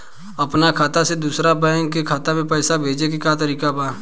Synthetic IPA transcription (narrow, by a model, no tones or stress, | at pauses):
əpnakʰaːt̪ased̪uːsɾapəŋkekʰaːt̪amẽpəːsabʱeːd͡ʒek̬ekjaːt̪əɾiːkabaː